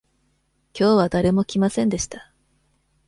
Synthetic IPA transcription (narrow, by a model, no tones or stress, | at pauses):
kʲo̞ːβ̞ad̪aɾe̞mo̞kʲimasẽ̞nd̪e̞ɕi̥t̪ḁ